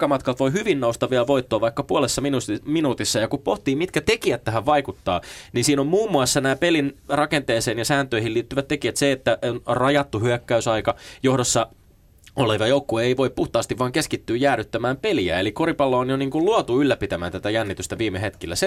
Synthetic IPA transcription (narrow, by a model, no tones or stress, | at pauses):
kɑmɑt̪kɑlt̪ʋoihyʋinːoust̪ɑʋiɑʋo̞it̪ːoːʋɑikːɑpuolesːɑminuminuːt̪isːɑjɑkuppoht̪iːmit̪kæt̪ekiæt̪ːæɦæʋʋɑikut̪ːɑːninsiːnommuːmːuɑsːɑnæːpelinrɑkent̪eːseːnjɑsæːnt̪øihiliːt̪ːyʋæt̪t̪ekiæt̪seet̪ːæʔonrɑjɑt̪ːuhyækːæysɑikɑjo̞hdosːɑ | oleʋɑjoukːueiʋo̞ippuht̪ɑːst̪iʋʋɑːŋkeskit̪ːyːjæːryt̪ːæmæːmpeliæ̰elikoɾipɑlːoːonjoniːŋkulluɑt̪uylːæpit̪æmæ̰ːnt̪æt̪æjænːit̪yst̪æʋiːmeɦet̪kilːæ̰se